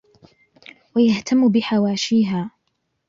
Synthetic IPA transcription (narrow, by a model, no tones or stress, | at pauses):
wajaht̪amːʊbɪħawaːʃiːɦaː